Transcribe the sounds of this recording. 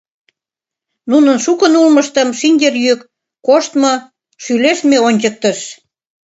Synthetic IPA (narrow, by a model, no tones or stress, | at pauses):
nunə̆nʃukə̆nulmə̆ʃt̪ə̆mʃinʲd̪ʲerjykː | oʃt̪mɤ̆ | ʃyleʃt̪meonʲt͡ɕək̚t̪əʃ